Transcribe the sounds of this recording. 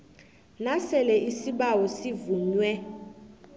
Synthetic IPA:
nasɛlɛʔisiɓawɔsivuɲwɛ

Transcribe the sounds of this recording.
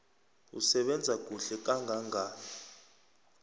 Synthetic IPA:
ṵsɛɓɛnd͡zʱak̬ʼuɬɛk̬ʼaŋɡʱaŋʱaː

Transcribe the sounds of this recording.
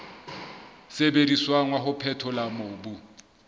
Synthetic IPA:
sebediswaŋwaɦʊpʰɛtʰɔlamoːbu

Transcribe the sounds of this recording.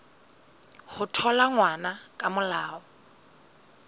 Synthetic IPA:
hʊtʰɔlaŋwanakʼamʊlaːɔ

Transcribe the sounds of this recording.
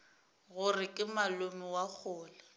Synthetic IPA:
ɣʊrɪkʼɪmalʊmɪwak͡xʰʊːla

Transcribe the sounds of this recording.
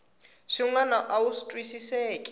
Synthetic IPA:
ʃiŋanaʔausi̥tʼwisisɛːkʼɛ̥

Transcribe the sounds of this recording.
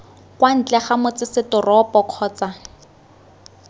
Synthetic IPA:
kwan̩t͡ɬʼɛχamʊt͡sɪsɪtʊrɔpɔq͡χʰɔːt͡sa

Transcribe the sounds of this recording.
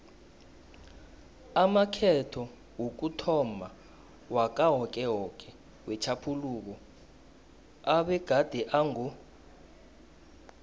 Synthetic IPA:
amakʰɛtʰɔ | wok̬utʰɔma | wak̬ʼaɦɔk̬ʼɛɦɔkʼɛ | wɛt͡ʃʰapʰuluːk̬ɔ | aɓɛɡ̥ʱad̥ʱɛʔaŋu

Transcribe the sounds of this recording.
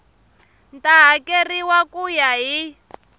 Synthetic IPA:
ntaɦakeriwakujaɦi

